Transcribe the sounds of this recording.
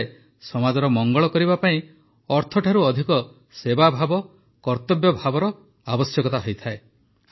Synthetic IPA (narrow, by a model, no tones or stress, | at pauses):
e | sɔmad͡ʒɔɾɔmɔŋɡɔɭɔkɔɾibapaĩ | ɔɾt̪ʰɔʈʰaɾuɔd̪ʱikɔ | sebabʱabɔ | kɔɾt̪ɔbjɔbʱabɔɾɔ | abɔsjɔkɔt̪aɦojt̪ʰae